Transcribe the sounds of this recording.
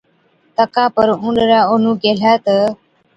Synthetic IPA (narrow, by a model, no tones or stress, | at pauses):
t̪əkapəɾuɳɖɾaonuɡel̤at̪ə